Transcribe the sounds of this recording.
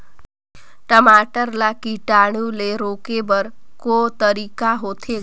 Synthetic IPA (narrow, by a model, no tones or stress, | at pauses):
ʈəmaʈəɾlakiʈaɽ̃ũleɾoːkebəɾkot̪əɾikaɦot̪ʰe